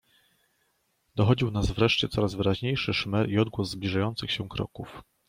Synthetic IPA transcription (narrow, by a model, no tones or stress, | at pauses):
d̪ɔxɔd͡ʑiwnasvɾɛʂt͡ɕɛt̪sɔɾazvɘɾaʑɲejʂɘʂmɛɾiɔd̪̚ɡwɔzzblʲiʐajɔnt̪sɘxɕɛkɾɔ̰kuf